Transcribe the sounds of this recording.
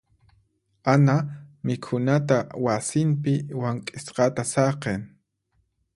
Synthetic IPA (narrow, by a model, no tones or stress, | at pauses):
anamɪkʰʊnat̪awasɪmpɪwaŋkʼɪsqɑt̪asɑqeŋ